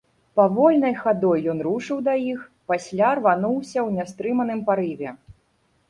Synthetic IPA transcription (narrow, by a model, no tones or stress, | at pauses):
pavɔlʲnɐjxad̪ɔjːɔnɾuʂɨwd̪ɐjixpasʲlʲarvanuwsʲɐwnʲɛst̪ɾɨmɐnɨmpaɾɨvʲɛ